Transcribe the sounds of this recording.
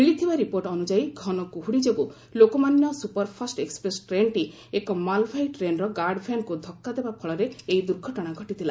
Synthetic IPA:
milit̪ʰibaɾipoɾʈɔnud͡ʒajɡʱɔnɔkuɦuɽid͡ʒoɡu | lokɔmanjɔsupɔɾpʰɔsʈekspɾesʈɾeɳʈi | ekɔmalpʰajʈɾenɾɔɡaɾɖpʰenkud̪ʱɔkːad̪ebapʰɔɭɔɾeejd̪uɾɡʱɔʈɔɽ̃aɡʱɔʈit̪ʰila

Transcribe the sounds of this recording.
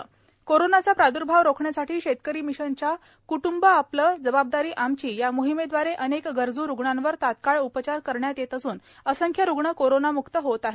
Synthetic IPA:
koɾonat͡sapɾad̪uɾbʱaʋɾokʰɳjasaʈʰiːɕet̪kəɾiːmiɕənt͡ɕa | kuʈumbəapləːd͡zəbab̚d̪aɾiːʔamt͡ɕiːjamuɦimed̪ʋaɾeʔənekɡəɾd͡zuːɾuɡɳãnʋəɾt̪at̪kaɭupət͡ɕaɾkəɾɳjat̪jet̪əsuːnəsəŋkʰjəɾuɡɳəkoɾonamukt̪əɦot̪aɦe

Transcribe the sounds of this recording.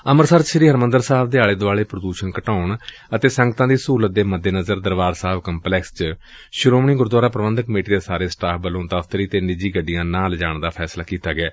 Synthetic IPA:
əməɾsəɾʃəɾiːɦəɾmənd̪əɾsaːbd̪eːaːleːd̪oaːɭeːpɾəd̪uːʃənkəʈaːɳ | ət̪eːsəŋɡt̪ãːd̪iːsuːlət̪̚d̪eːməd̪ːeːnəzəɾd̪əɾʋaːɾsaːbkəmplɛːkst͡ʃ | ʃʊɾoːmɳĩːɡʊɾd̪waːɾaːpɾəʋə̃nd̪əkmeːʈiːd̪eːsaːɾeːsʈaːpʰbəlõːt̪aːfʰt̪əɾiːt̪eːnɪd͡ʒiːɡəɖːijãːnãːld͡ʒaːɳd̪aːpʰɛːslaːkiːt̪aːɡɛː

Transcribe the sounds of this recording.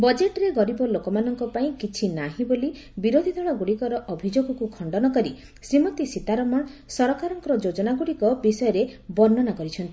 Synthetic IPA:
bɔd͡ʒeʈɾeɡɔɾibɔlokɔmanɔŋkɔpaĩkit͡ʃʰinaɦĩboli | biɾod̪ʱid̪ʱɔɭaɡuɽikɔɾɔʔɔbʱid͡ʒoɡɔkukʰɔɳɖɔnɔkɔɾi | sɾimɔt̪isit̪aɾɔmɔɳsɔɾɔkaɾɔŋkɔɾɔd͡ʒod͡ʒɔnaɡuɽikɔbisɔjɔɾebɔɾnɔnakɔɾit͡ʃʰɔnt̪ii

